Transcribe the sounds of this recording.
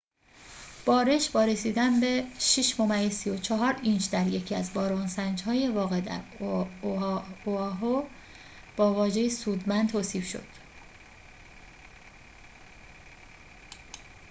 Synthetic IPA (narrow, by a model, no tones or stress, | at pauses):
b̥ɒːɾe̞ʃbɒːɾe̞siːd̪ænbeʃiʃmomæjesijot͡ʃʰɒɦɒːɾint͡ʃd̪æɾje̞cʰiæzbɒːɾonsænd͡ʒhɒːje̞vɒːɣe̞d̪æ̰ɾ | oɦo | b̥ɒːvɒːʒe̞jesuːd̪mænd̪t̪ʰoːsiːfʃo̞̰d̪̥